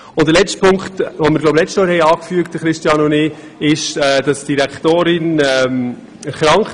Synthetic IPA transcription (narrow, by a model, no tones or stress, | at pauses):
ʊnd̥əlɛt͡sstpʰʊŋkχtʋomɪɾɡlowblɛt͡sstjɔːɾhɛjɑːkfyək̚t̚d̥əχɾɪʃtjɑnʊnɪː | ɪʃɛːd̥ɑsd̥iɾæktoːɾɪnɛm | χɾɑŋχ